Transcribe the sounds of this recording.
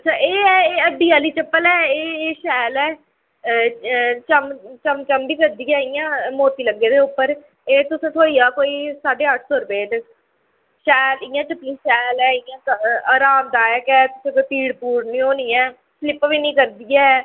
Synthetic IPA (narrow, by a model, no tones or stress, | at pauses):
ətːʃʰaːʔeːɛːeːəɖ̪iːaːliːt͡ʃəpːəlɛːeːʃɛːlɛː | t͡ʃəmt͡ʃəmt͡ʃəmbiːkəɾd̪iːɛːɪjãːmoːt̪iːləɡːeːd̪eːʊpːəɾ | eːt̪ʊsẽːt̪ʰoːiːaːkoːiːsaːɖeːɦəʈʰsoːɾəpeːʈ | ʃɛːlɪjãːt͡ʃəpːlĩːʃɛːlɛːɪjãːaːɾaːmd̪aːəkɛːt̪ʊsẽːkopiːɽpuːɾnĩːoːnĩːɛː | slɪpʋiːnĩːkəɾd̪iːɛː